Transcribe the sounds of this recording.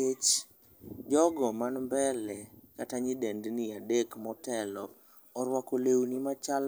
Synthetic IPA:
et͡ʃ | d͡ʒɔɡɔmanmbɛlɛkataɲidendniadekmɔtɛlɔ | ɔɾwakolewnimat͡ʃal

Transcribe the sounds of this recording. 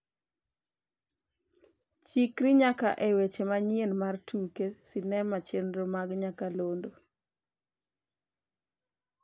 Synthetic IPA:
t͡ʃikɾiɲakaʔewet͡ʃemaɲienmartukesinɛmat͡ʃendɾomaɡɲakalondo

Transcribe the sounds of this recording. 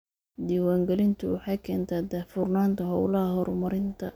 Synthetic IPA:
d̪iːwaːŋɡɛlɪnt̪ʰʊwɑħɑjkʰɛːnt̪ʰaːd̪ɐfʊrnaːnt̪ʰɐɦɔwlɐɦɐɦɔɾʊmɐɾɪnt̪ʰɐ

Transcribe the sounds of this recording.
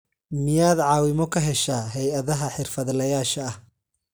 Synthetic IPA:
mɪjaːd̪ʕɑːwɪmɔkʰɐɦɛʃaːɦɛjɐðɐɦɐħɪrfɐðlɐjaːʃɐɐh

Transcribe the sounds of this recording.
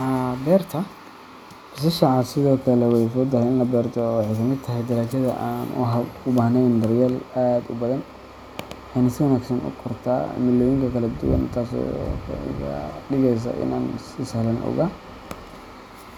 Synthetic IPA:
habɛːrt̪ʰɐ | ɪs̬ɪʃɐʕɑdsɪðɔːkʰɐlɛwɛjfɔt̪ːɐhɛjɪnlɐbɛːrt̪ʰɔwɑħɛjkʰɐmɪt̪ʰɐɦɛjd̪ɐɾaːt͡ʃɐðɐ̰ʔaːnʔʊ̰ɦɐʊbaːhnɛjnd̪ɐrjalaːd̪ʊbɐðɐn | wħɑjnɐsɪwɐnaːɡsɐnʔʊ̰kʰɔrt̪ʰa̰ːmɪlːɔːjɪŋkʰɐkʰɐlɐd̪ʊ̰wɐ̰nt̪ʰaːsɔ̰kʰa̰ɖɪɣɛjs̬ɐ̰ʔɪ̰naːn | ɪshɐlɐnʔɔ̰ɣa

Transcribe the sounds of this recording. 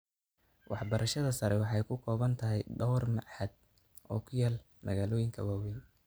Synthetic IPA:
wɑħbɐɾʔɐʃɐðɐsɐɾɛwɑħɑjkʰʊkʰɔːβɐnt̪ʰɐɦɛjɖɔrmɑ̰ʕħɐd̪̚ | ɔ̰ːkʰʊjaːl | mɐɣaːlɔːjɪŋkʰɐwaːwɛːn

